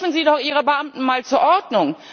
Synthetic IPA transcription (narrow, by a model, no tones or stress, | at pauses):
fn̩ziːdɔχʔiːʁ̞əbəʔamtn̩maːlt͡suːɐʔɔɐdnʊŋ